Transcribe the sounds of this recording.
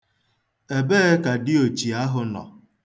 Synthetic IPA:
e˨be˦ka˨dɪ˦o˨t͡ʃi˨a˦ɦʊ˨nɔ̰˨

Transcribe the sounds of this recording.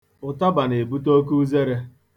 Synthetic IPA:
ʊ˨ta˦ba˨ne˨bu˦to˦ku˦ze˦ɾe˦

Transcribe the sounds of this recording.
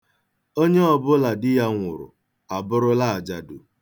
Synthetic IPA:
o˦ɲe˦ɔ˨bʊ˦la˨dɪ˦ja˦ŋʷʊ̰˨ɾʊ̰˨ | a˨bʊ˦ɾʊ˦la˦a˨d͡ʒa˨dʊ˨

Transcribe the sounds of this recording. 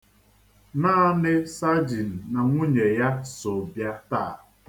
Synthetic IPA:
naː˦nɪ˦sa˦d͡ʒi˨n̩˨na˨ŋʷu˦ɲe˨ja˦sʊ˨bja˦taː˦˨

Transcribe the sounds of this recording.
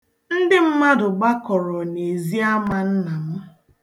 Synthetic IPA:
n̩˦dɪ˦m̩˦ma˦dʊ˨ɡ͡ba˦kɔ˨ɾɔ˨ne˨zi˦a˦ma˨n̩˦na˨mʊ˦

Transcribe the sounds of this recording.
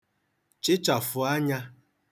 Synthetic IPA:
t͡ʃɪ˦t͡ʃa˨fʊ˨a˦ɲa˦

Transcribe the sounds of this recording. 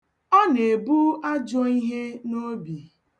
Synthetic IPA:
ɔ˦ne˨bu˦a˦d͡ʒɔ˦i˦ɦe˦no˦bi˨

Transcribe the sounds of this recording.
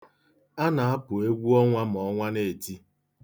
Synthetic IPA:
a˦na˨a˦pʊ˨e˦ɡʷu˦ɔ˦ŋʷa˦m˨ɔ˨˦ŋʷa˦ne˦˨e˨ti˦

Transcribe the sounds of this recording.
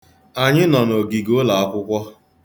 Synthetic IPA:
a˨ɲɪ˦nɔ˨no˨ɡi˨ɡo˦la˨a˦kʷʊ˦kʷɔ˦

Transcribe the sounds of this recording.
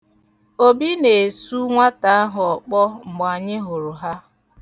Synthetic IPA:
o˦bi˦ne˨su˦ŋʷa˦ta˨a˦ɦʊ˨ɔ˨k͡pɔ˦ŋ͡m̩˨m˨a˨ɲɪ˦ɦʊ˨ɾʊ˨ɦa˦

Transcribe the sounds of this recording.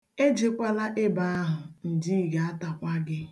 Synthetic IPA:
e˦d͡ʒe˨kʷa˦la˦ʔe˦ba˦a˦ɦʊ˨n̩˨di˦i˦ɡa˨a˦ta˨kʷa˦ɡɪ˦

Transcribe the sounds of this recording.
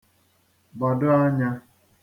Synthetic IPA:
bɔ˨dʊ˦a˦ɲa˦

